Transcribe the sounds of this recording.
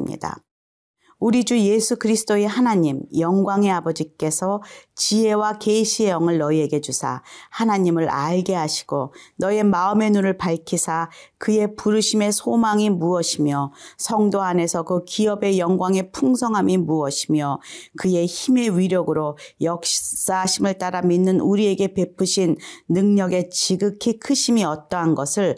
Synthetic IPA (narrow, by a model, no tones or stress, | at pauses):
mɲḭda̰ | uɾid͡ʑuje̞sʰukɯɾisʰɯ̥t͈oeɦanaɲimjʌŋɡwaŋe̞abʌd͡ʑik͈e̞sʰʌt͡ɕiɦe̞wake̞iɕʰiejʌŋɯɭnʌie̞ɡe̞d͡ʑusʰa̰hanaɲimɯɾaɭɡe̞ɦaɕʰi̥ɡ̥onʌe̞maɯme̞nuɾɯɭpaɭkʰisʰakɯje̞puɾɯɕʰime̞sʰomaŋimuʌɕʰimjʌsʰʌŋdoane̞sʰʌkɯkiʌbe̞jʌŋɡwaŋe̞pʰuŋsʰʌŋɦamimuʌɕʰimjʌkɯje̞çime̞ɥiɾjʌɡɯɾojʌk̚s͈aɕʰimɯɭt͈aɾaminːɯnuɾie̞ɡe̞pe̞pʰɯɕʰinːɯŋɲʌɡe̞t͡ɕiɡɯkʰikʰɯɕʰimiʌt͈ʌɦanɡʌsʰɯɭ